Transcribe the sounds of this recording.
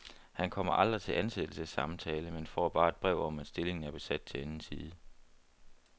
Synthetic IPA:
hænkʰɒ̽m̰ɐʔɑ̈ld̥ʁit͡sʰe̝lʔænsed̥l̩səsːɑ̈mt͡sʰɛːləmenfɒ̰ːb̥ɑ̈ːe̝d̥̚b̥ʁɛʊ̰ɒ̽mæd̥sd̥e̝le̝ŋn̩æɐb̥e̝sæd̥̚t͡sʰe̝lænn̩siːðˠə

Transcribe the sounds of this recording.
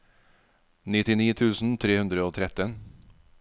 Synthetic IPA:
nɪt̪ɪniːt̪ʰʉːsn̩t̪ʰɾeːhʉnd̪ɾəoːt̪ʰɾɛt̪ən

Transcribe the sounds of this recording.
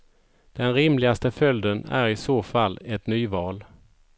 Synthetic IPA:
d̪̥ɛnɾɪmlɪɡast̪əfœld̪ənæ̰ɾɪsoːfalːɛt̪nyːvɑːl

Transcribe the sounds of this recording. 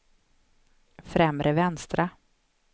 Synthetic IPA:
fɾɛmɾəvɛnst̪ɾa

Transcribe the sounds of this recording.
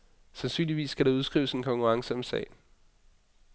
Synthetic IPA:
sænsy̰ːnliʋḭːskʰæɾ̥ɑuð̞ˠsɡ̥ʁḭːʊəse̝nkʰɒ̽ŋkʰuʁɑ̈ŋsəɒ̽msɛ̰ːɪ

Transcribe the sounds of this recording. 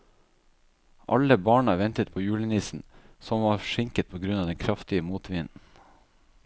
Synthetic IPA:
ʔɑ̰ləbɑːɳəʋɛnt̪ət̪̚pʰoːjʉːləniːsn̩sɔmʋɑːɾʂɪŋkət̪̚pʰoːɡɾʉnɑːd̪ɛnkʰɾɑft̪ɪəmuːt̪ʋɪnn̩

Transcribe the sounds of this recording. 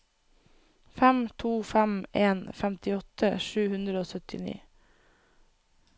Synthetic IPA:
fæmt̪ʰuːfæmʔeːnfɛmt̪ɪɔt̪əʃʉːhʉnd̪ɾəoːsœt̪ɪ̰nḭː

